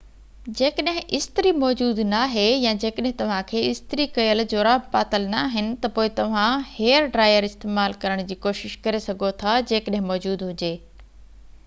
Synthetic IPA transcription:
d͡ʑeːkəɗɦɪ̃ʔɪst̪ɪɾimɔːd͡ʑuːd̪naːɦejãːd͡ʑeːkəɗɦɪ̃t̪ɐʋ̤ãkʰeːɪst̪ɾikɐjəld͡ʑoːɾaːpaːt̪əlnaɦɪnɪ̆t̪ɐpoːɪt̪ɐʋ̤ãheːəɾɖɾaːɪjəɾɪst̪eːmaːlkɐɾəɽ̃d͡ʑiːkoːʃɪʃkɐɾesɐɡʱot̪ʰad͡ʑeːkəɗɦɪ̃mɔːd͡ʑuːd̪ɦʊd͡ʑeː

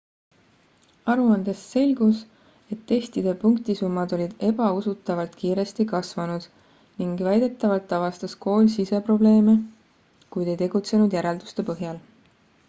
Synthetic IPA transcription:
ɑɾuɑnd̪̥e̞sːe̞lʲɡ̥us | e̞t̪ːe̞st̪id̪̥e̞puŋkt̪isumːɑd̪̥o̞lʲid̪̥e̞b̥ɑusut̪ːˑɑvɑlt̪kiːɾe̞st̪ikɑsvɑnud̪̥ | niŋɡvæjd̪̥e̞t̪ːˑɑvɑlt̪ːˑɑvɑst̪ɑsko̞ːlʲsise̞pro̞ble̞ːme | kujd̪e̞jt̪e̞ɡ̥ut̪se̞nud̪̥jæɾeld̪u̥st̪e̞pɤɦjɑl

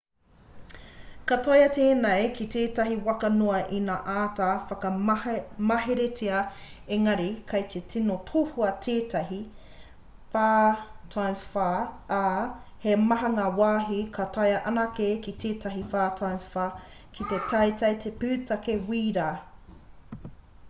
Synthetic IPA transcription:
kɐtojɐteːnejkʰitʰeːtɐɦiwɐkɐnoɐʔinaʔaːtafɐkɐ | mɐɦeɾetʰeɐ | eŋɐɾikʰɐjt̪ʰetʰinotʰohuɐtʰeːtɐɦi | faːtʰajnsfaaː | hemɐɦɐŋɐwaːɦikʰɐtʰɐjɐʔɐnakekit̪ʰeːtʰɐɦifaːtʰajnsfaː | kʰitetʰɐjtɐjtʰepʉːtɐkewiːɾaː

